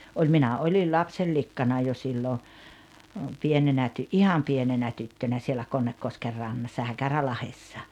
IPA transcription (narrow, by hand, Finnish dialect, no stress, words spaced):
olʲ minæ olʲil lɑpselːikːɑnɑ jo silːo pienenæ tyʔihɑm pienenæ tytːønæ sielæ konːekːosker rɑnːɑsːɑ hækærælɑhesːɑ